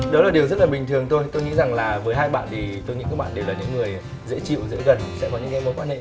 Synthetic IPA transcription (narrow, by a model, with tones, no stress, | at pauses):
ɗɔ˨˦laː˨˩ɗi˩əwzə˦˥t̚laː˨˩ɓï˨˩ŋ̟t̪ʰɨ˨˩əŋt̪ʰo˧jt̪o˧jŋḭ˧˥za˨˩ŋlaː˨˩vəː˨˦jɦhaː˧jɓa̰ː˧˨nt̪ʰi˨˩t̪o˧jŋḭ˧˥nkaː˨˦˥ɓa̰ː˧˨ɗe˨˩wlaː˨˩ɲɨ̰˧˥ŋːɨ˨˩əj | zḛ˧˥t͡ɕḭ˧˨wzḛ˧˥ɣə˨˩nsɛ̰˧˥kɔ˨˦ɲɨ̰˧˥ŋkɛ˧mo˨˦kwaː˧nhḛ˧˨